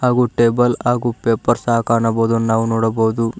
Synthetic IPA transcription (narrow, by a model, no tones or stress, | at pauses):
ɦaːɡuʈeːbɐlaːɡupeːpɐɾsaːɐkaːɳɐboːd̪unaːʋunoːɽɐboːd̪u